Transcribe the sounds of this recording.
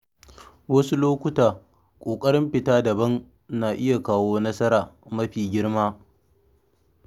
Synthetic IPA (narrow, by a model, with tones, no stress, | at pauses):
wɐ˦su˦loː˦kʷʊ˦taː˨ | kʷʼoː˨kʼɐ˦ɽɪ˦mɸɪ˨taː˦dɐ˨bɐ˦n | naː˨ʔɪ˦ja˨kaː˦woː˦nɐ˦sɐ˦ɾaː˨mɐ˦ɸiː˨ɡʲɪ˦ɽmaː˦